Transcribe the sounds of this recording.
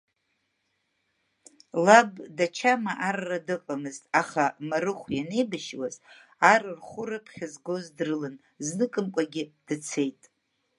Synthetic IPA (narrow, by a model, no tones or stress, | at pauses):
labdat͡ʃʰamaʔarːadɨqʼamɨztʼaχamarɨχʷjane̞jbaʃwaz | arɨrχʷʊɾapʰχʲazɡo̞zdrɨlɨn | znɨkʼɨmkʷʼaɡʲɪd̥ɨt͡sʰe̞jtʼ